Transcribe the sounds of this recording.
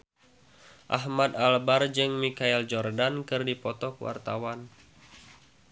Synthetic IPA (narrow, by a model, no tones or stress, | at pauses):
ʔa̰ɦmad̪albard͡ʒɨŋmikaɛld͡ʒɔrdankɨrdipɔt̪ɔkwa̰rt̪awan